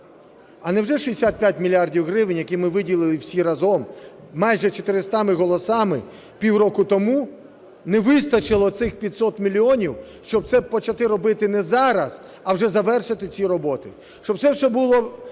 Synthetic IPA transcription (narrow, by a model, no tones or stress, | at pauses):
ɐnɛwʒɛʃiesʲat̪̚pʲjat̚ʲmʲilʲiardʲiwɦɾɪʋɪnʲjɐkimɪʋɪdʲilˠɪlˠɪwsʲiɾɐzɔm | mɑjʒɛt͡ʃɔt̪ɪɾɪst̪ɑmɪɦɔlˠɔsɑmɪ | pʲiwɾɔkʊt̪ɔmu | nɛʋɪst̪ɐt͡ʃɪlˠɔt̪sɪxpʲit̪ʲsɔt̪mʲilʲːiɔnʲiwʃt͡ʃɔb̚t̪sɛpɔt͡ʃɐt̪ɪɾɔbɪt̪ɪnɛzɑɾɐz̥ | ɐwʒɛzɐʋɛrʃɪt̪ɪt͡sʲiɾɔbɔt̪ɪ | ʃt͡ʃɔb̚tsɛwʒɛbulˠɔ